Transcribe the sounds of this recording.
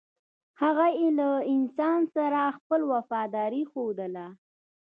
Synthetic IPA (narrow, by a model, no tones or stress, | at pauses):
haɣajelaɪnsɑnsaɾaxpəlwafɑd̪ɑɾixod̪əla